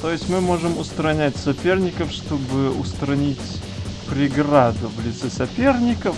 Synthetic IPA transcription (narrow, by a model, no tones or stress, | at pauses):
t̪ojɪsʲmɨmo̞ʐɨmʊst̪ɾɐnʲætʲsɐpʲe̞rnʲɪkəfʂt̪o̞bɨʊst̪ɾɐnʲitʲ | pɾʲɪɡrad̪ʊvlʲɪt̪sɛsɐpʲernʲɪkəf